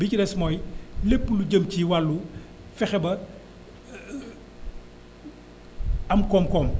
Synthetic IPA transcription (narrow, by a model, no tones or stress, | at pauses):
bicidɛsmɔːjlepːluɟəmciwalːu | fɛxɛbɐ | ɐmkɔːmkɔːm